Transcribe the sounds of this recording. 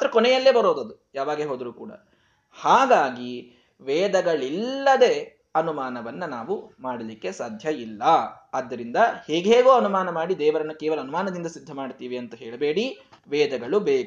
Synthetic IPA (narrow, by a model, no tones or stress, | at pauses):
ɐt̪ɐɾɐkɔnɛjɐlːe̞ːbɐɾo̞ːd̪ɐd̪ujaːʋaːɡeːɦo̞ːd̪ɾuːkṵːɽɐ̰ | haːɡaːɡi | ʋɛːd̪ɐɡɐɭilːɐd̪e̞ː | ɐnumaːnɐʋɐnːɐnaːʋumaːɽɐlikːe̞saːd̪ʱjɐilːɐɐd̪ːɐɾind̪ɐheːɡɦeːɡoːɐnumaːnɐmaːɽid̪ɛːʋɐɾɐnːukeːʋɐlɐːnumaːnɐd̪ind̪ɐsid̪ʱːɐmaːɽt̪iːʋiɐnt̪ɐɦeːɭɐbeːɽi | ʋɛːd̪ɐɡɐɭubeːku